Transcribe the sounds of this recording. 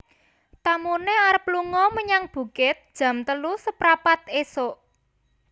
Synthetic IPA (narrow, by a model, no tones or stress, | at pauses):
t̪amuneaɾəpluŋɔməɲaŋb̥ṳkɪt̪̚d̥ʒ̥ä̤mt̪əlusəpɾapat̪esoʔ